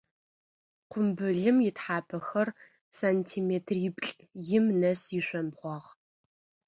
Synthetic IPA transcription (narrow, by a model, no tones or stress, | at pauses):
qʷʊmbɨɮɨmjɪtħaːpʰɐxɐr | saːntʰiːmeːtʰriːbɬʼ | jɪmnɐsiɕʷɐmbʁʷɔʁ